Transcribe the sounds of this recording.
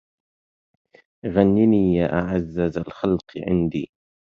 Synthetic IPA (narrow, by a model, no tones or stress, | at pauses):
ɣanːiniːjaːʔaʕazːazalxalqʕɪ̰nd̪ḭː